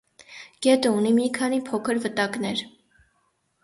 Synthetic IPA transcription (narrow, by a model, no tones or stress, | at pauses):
ɡ̥ɛt̪əunimikʰɑnipʰɔkʰəɾvət̪ɑknɛɾ